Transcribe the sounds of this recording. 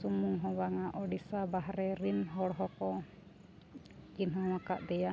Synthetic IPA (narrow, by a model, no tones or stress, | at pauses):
sumuŋɦɔwaŋaʔɔɖisabaɦɾɛɾimɦɔɽɦɔkɔ | d͡ʒinɦɔmakaʔd̪ɛja